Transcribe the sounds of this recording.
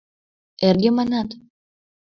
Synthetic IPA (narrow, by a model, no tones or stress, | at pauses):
erɡemɑnɑt̪